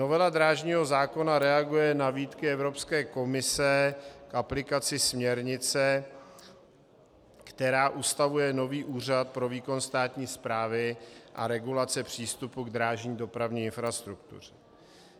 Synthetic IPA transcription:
no̞vɛladɾaːʒɲiːɦo̞zaːko̞naɾɛaɡujɛnaviːt̪kɪɛvɾo̞pskɛːko̞mɪsɛkʔaplɪkat͡sɪsmɲɛɾɲɪt͡sɛ | kt̪ɛɾaːʔust̪avujɛno̞viːʔuːr̝at̪̚pɾo̞viːko̞nst̪aːt̪ɲiːspɾaːvɪʔa̰ɾɛɡulat͡sɛpr̝̥iːst̪upuɡd̪ɾaːʒɲiːdo̞pɾavɲiːɪnfɾast̪ɾuk̚t̪ṵr̝ɛ

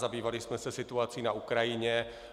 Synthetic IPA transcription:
zabiːvalɪsmɛsɛsɪt̪uat͡siːnaukɾajɪɲɛ

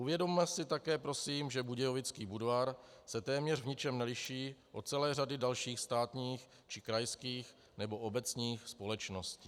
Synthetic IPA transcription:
ʔuvjɛdomːmɛsɪt̪akɛːpɾo̞siːmʒɛbuɟɛjovɪt͡skiːbudvaːɾsɛt̪ɛːmɲɛrvɲɪt͡ʃɛmnɛlɪʃiːʔot͡sɛlɛːr̝adɪdalʃiːxst̪aːt̪ɲiːx | t͡ʃɪkɾajskiːx | nɛbo̞ʔobɛt͡sɲiːxspo̞lɛt͡ʃnosciː

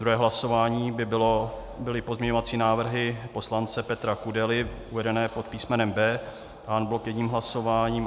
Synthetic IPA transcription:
d̪ɾuɦɛːɦlaso̞vaːɲiːbɪbɪlo | bɪlɪpozmɲɛɲoat͡siːnaːvr̩ɦɪpo̞slant͡sɛpɛt̪ɾakudɛlɪʔuvɛdɛnɛːpot̪̚piːsmɛnɛmbɛː | paːnbɪlokjɛdɲiːmɦlaso̞vaːɲiːm

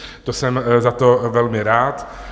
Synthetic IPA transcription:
t̪osɛmzat̪ovɛlmɪɾaːt̪

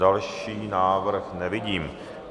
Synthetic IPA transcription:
alʃiːnaːʋɾxnɛʋɪɟiːm

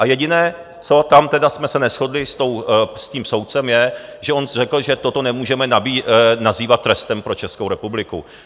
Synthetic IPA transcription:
ʔajɛɟɪnɛː | t͡so̞t̪amt̪ɛdasmɛsɛnɛsxo̞dlɪst̪o̞wsciːmso̞wt̪̚t͡sɛmjɛʒɛʔo̞nrɛkl̩ʒɛt̪o̞t̪o̞nɛmuːʒɛmɛnabiːnaziːvat̪ːɾɛst̪ɛmpɾo̞t͡ʃɛskowɾɛpublɪkṵ

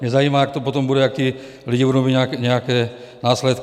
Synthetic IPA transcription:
mɲɛzajiːmaak̚t̪ɔpɔt̪ɔmbudɛak̚t̪i | liɟiuɾɔbiɟɲɛakɲɛakɛː | naːslɛt̪k

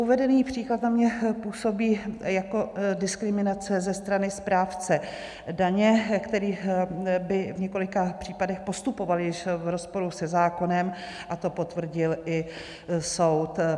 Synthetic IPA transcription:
ʔuvɛdɛniːpr̝̥iːklat̪namɲɛpuːso̞biːjako̞dɪskɾɪmɪnat͡sɛzɛst̪ɾanɪspɾaːft͡sɛ | daɲɛkt̪ɛɾiːbɪvɲɛko̞lɪkapr̥iːpadɛxpo̞st̪upo̞valjɪʃvɾo̞spo̞ɾusɛzaːko̞nɛm | ʔat̪o̞po̞t̪vr̩ɟɪlʔɪ | so̞wt̪

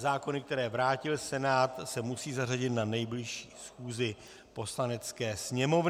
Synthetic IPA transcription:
zaːko̞nɪkt̪ɛɾɛːvɾaːcɪlsɛnaːt̪sɛmusiːzaraɟɪt̪nanɛjblɪʃiːsxuːzɪ | po̞slanɛt͡skɛːsɲɛmo̞v

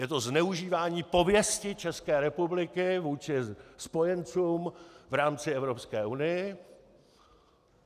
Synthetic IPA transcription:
jɛt̪o̞znɛuʒiːvaːɲiːpo̞vjɛscɪt͡ʃɛskɛːɾɛpublɪkɪvuːt͡ʃɪspo̞jɛnt͡suːmvɾaːmt͡sɪɛvɾo̞pskɛːʔunɪjɪ

